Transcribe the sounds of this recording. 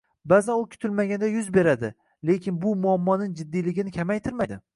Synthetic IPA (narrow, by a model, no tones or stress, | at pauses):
bazanʊkʲʰʊ̥t̪ʰɪlmaɡʲand̪ajʊzbe̞ɾad̪ɪ | le̞kʲɪnbʊmʊamːɒnɪŋd͡ʒɪd̪ːijlɪɡʲɪnɪkʲʰamajt̪ʰɪɾmad̪ɪ